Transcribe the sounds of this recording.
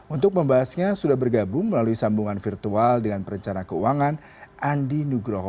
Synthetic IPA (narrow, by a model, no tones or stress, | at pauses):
unt̪ʊk̚məmbaɦasɲasudahbərɡabʊŋməlaluisambuŋanfirt̪ualdəŋanpəɾəɲt͡ʃanakəuaŋan | ʔandinuɡɾo